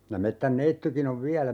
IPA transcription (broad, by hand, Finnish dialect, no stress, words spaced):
jɑ metːænːeitːykin oʋ ʋiælæ